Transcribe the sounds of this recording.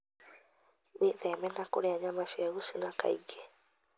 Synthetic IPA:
βeðɛmɛnakoɾeaɲamaʃɛɣusinaka̰ḭɡɛ

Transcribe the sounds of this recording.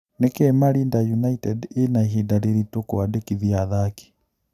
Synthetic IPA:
nekɛmaɾindajunaitɛdenaiɦidaɾeɾitokoadekiðiaðaki̥

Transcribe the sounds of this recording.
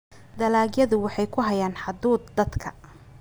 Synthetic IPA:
d̪ɐlaːɡjɐðʊwɑħɑjkʰʊɦɐjaːnħɑd̪uːd̪̚d̪ɐd̪kʰɐ̥̰

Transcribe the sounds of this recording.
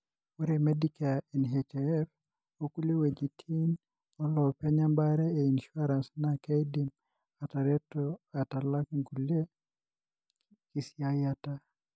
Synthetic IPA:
uɾɛmɛdikainɦetɛɛf | okuliwed͡ʒitʰin | ɔlɔpɛɲambaɾɛɛinʃuaɾansnakajdim | ataɾɛtatalakŋkule | kisiajata

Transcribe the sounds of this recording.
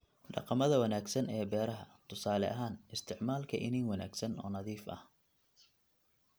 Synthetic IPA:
ɖɑ̰qɑmɐðɐwɐnaːɡsɐnɛːbɛːɾɐɦɐt̪ʰʊsaːlɛ̰ʔɐɦaːnɪst̪ʰɪʕmaːlkʰɐʔɪniːŋwɐna̰ːɡsɐnɔ̰ːnɐðiːfɐ̰h

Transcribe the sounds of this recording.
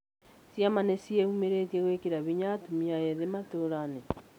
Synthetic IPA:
sjamanesieumeɾetieɣwekeɾaβiɲatumiaɛðematoɾane

